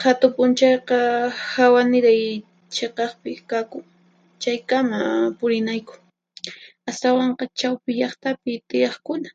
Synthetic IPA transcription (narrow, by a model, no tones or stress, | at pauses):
hat̪ʊpʊnt͡ʃɑjqɑhawanɪɾaj | t͡ʃeqɑχpɪkakʊŋ | t͡ʃajkamapʊɾɪnajkʊ̥ | ast̪awɑɴqɑt͡ʃawpɪʎɑχt̪apɪt̪ɪjɑχkʊna